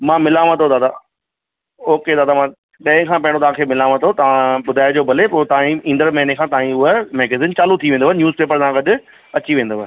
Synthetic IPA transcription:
mãːmɪlaːʋə̃t̪ʰod̪aːd̪aː | oːked̪aːd̪amãː | ɗɐ̃ɦɪ̃kʰãːpɐ̃ɦɪɽ̃ot̪ɐʋ̤ãːkʰeːmɪlaːʋə̃t̪ʰot̪ɐʋ̤ãɓʊd̪ʱaːɪd͡ʑoːbʱɐlepoːt̪aãːĩĩːnd̪əɾmɐɦɪnekʰãːt̪ãːĩʊɦəmɛːɡeziːnt͡ɕaːlut̪ʰiʋẽnd̪oʋənɪnjuːzpeːpəɾsãɡɐɗʊ̆ | ɐt͡ɕiʋẽːn̆d̪oːə

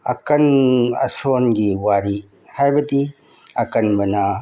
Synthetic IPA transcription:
ɐkɐnɐ̰sonɡiwaɾi | hajbɐdi | ɐkɐnbɐnɐ

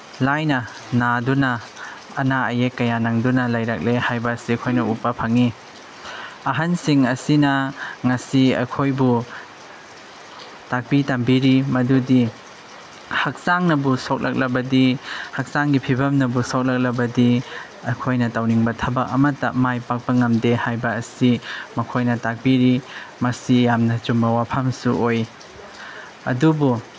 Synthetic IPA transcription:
lajnɐ | nadunɐː | naɐjekːɐjanaŋdunɐlajɾɐk̚lehajbɐsikʰojnɐupːɐpʰaŋi | ɐɦɐnsiŋɐsinɐŋɐsiɐ̰jkʰojbu | tak̚bitambiɾimɐdudi | hɐk̚saŋnɐbusowk̚lʔɐk̚lɐbɐdihɐk̚saŋɡipʰibɐmnɐbusawk̚lɐk̚lɐbɐdi | ɐjkʰojnɐtawniŋbɐtʰɐbɐk̚ɐ̰mɐtːɐ̰majpak̚bɐŋɐmdehajbɐːsimɐkʰojnɐtak̚biɾimɐsijamnɐt͡ʃumbɐwapʰɐmsuoj | ɐ̰dubu

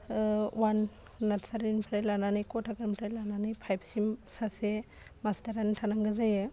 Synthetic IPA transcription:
wan | natsaɾinpʰɾajlananɯjkɔtʰaɡaɾmpʰɾajlananɯjpʰajb̚simsase | mastaɾanitʰanaŋɡɯzajɯ

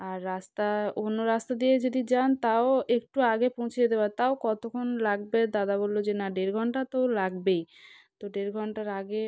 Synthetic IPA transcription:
aɾːast̪aonːoɾast̪ad̪ied͡ʑod̪id͡ʑant̪aoek̚ʈuaɡepõw̃t͡ɕʰijed̪ebat̪aokɔt̪okʰonlaɡbed̪ad̪abolːod͡ʑenaɖeɾɡʱɔɳʈat̪olaɡ̚bej | t̪oɖeɾɡʱɔɳʈaɾaɡe

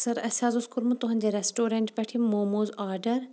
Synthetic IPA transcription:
sɐɾɐsʲaːzuskuɾmut̪uɦɐ̃nʲd͡ʑeɾesʈoːɾeɳʈbɐʈʰimoːmoːzaːɾɖɐɾ

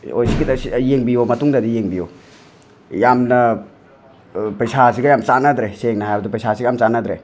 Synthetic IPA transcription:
ojsikidsijeŋbijomɐtuŋdɐdijeŋbijo | jamnɐ | pɐjsasiɡɐjamt͡ʃanɐd̪ɾeseŋnɐɦajbɐdipɐjsasiɡɐjamt͡ʃanɐd̪ɾe

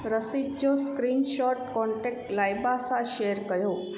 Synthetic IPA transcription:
ɾəsid͡ʒoskɾinʃɔʈkɔɳʈek̚ʈlajbasaʃeɾkəjo

